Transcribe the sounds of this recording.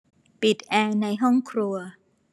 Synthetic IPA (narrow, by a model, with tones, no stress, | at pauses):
pi˨˩t̪̚ʔɛː˧na˧jɦɔ˥˩ŋkʰɾu˧ɐ